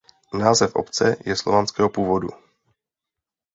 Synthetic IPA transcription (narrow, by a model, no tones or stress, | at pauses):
naːzɛfʔo̰pt͡sɛjɛslo̞vanskɛːɦopuːvodṵ